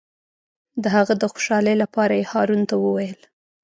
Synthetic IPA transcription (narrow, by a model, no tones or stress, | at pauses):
d̪əhaɣad̪əxo̥ʃɑləjlapɑɾajehɑɾunt̪awəwajəl